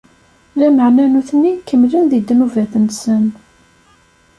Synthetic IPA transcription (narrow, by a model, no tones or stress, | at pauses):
læməʕnænuθnːikːəmːlinðid̪nuvæθənsən